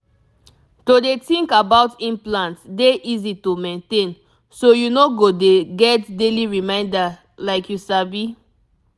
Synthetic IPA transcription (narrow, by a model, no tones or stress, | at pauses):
todetĩŋkabaʊtĩnplãntsdeʔizitomẽntẽn | sojunoɡodeɡɛtdeliɹimãɪ̃nda | laɪkjusabi